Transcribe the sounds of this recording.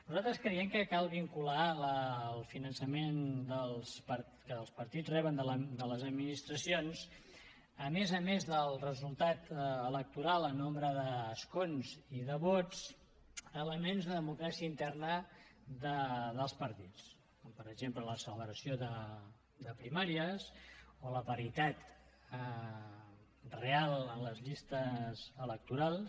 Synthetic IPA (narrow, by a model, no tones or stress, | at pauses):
nuzalˠt̪ɾəskɾəiɛmkəkalˠβiŋkulaləlˠfinənsəmend̪əlˠspəɾ | kəlˠspəɾt̪it͡srɛβənd̪əld̪ələzəd̪minist̪ɾəsions | əmezəmezðəlˠrəzulˠt̪at̪ələk̚t̪uɾalˠənombɾəðəskonziðəβot͡s | ələmenzðəðəmukɾasiəint̪ɛrnəðəðəlˠspəɾt̪it͡s | kompəɾəɡʒemplələsələβɾəsijoðə | d̪əpɾimaɾiəzoləpəɾit̪at̪ | ə | realˠənləzʎist̪əzələk̚t̪uɾalˠs